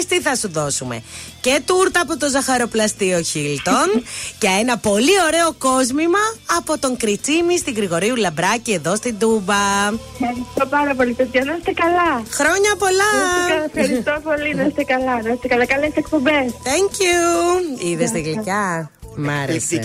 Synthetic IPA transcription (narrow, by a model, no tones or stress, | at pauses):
st̪iθɐsuðo̞sume̞̰ce̞t̪uɾt̪ɐːpot̪o̞zɐxɐɾo̞plɐst̪io̞çilt̪onʝɐenɐpo̞lio̞ɾe̞o̞ko̞zmimɐːpo̞t̪o̞ŋkɾit͡simist̪iɣɾiɣo̞ɾiulɐbɾɐcie̞ðo̞st̪ind̪ubɐ | ɐɾist̪opɐɾɐpo̞lit̪et̪çɐðɐst̪ekɐlɐxɾo̞ɲɐpo̞lɐfxɐɾit̪opoliðɐst̪ekɐlɐðɐst̪ekɐlɐkɐlesek̚po̞mbesθeɲcjuiðest̪eɣlicɐ | mɐɾese